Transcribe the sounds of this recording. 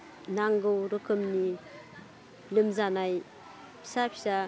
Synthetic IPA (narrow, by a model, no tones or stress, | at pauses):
naŋɡɯwɾɯkʰɯmni | lɯmzanaj | pʰi̥sapʰi̥sa